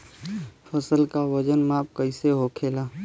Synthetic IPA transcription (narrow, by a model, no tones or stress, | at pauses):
pʰəsəlkawəd͡ʒənmaːp̚kəɪseɦokʰeːlaː